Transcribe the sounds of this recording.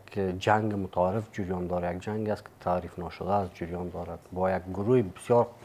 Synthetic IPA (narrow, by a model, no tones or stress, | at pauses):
kʰd͡ʒaŋɡɪmʊt̪ʰaɾifd͡ʒiɾjɔnd̪ɔɾjak̚d͡ʒaŋɡiast̪kʰi̥t̪ʰaɾifnɔʃʊd̪aːzd͡ʒiɾjɔnd̪ɔɾad̪bɔjaɡɡuɾuhibisjɔɾ